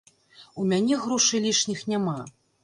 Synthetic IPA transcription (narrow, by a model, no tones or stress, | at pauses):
umʲanʲɛɣɾɔʂɨlʲiʂnʲixnʲama